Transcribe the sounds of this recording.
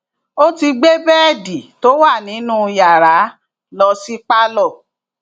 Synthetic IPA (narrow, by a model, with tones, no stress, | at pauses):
o˦ti˧ɡ͡be˦bɛ˦ɛ˦˨di˨to˦wa˦˨nĩ˨˦nũ˦ja˨ɾa˨˦ | lɔ˧si˦k͡pa˦lɔ˦˨